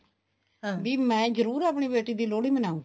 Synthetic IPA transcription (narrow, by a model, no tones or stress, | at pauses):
biːmɛ̃ːd͡ʒəɾuːɾaːpɳ̃iːbeːʈiːd̪iːloːɽiːmənaːũŋɡi